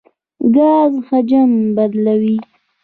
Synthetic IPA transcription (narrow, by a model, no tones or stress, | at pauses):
ɡɑːzxad͡ʒambad̪lawi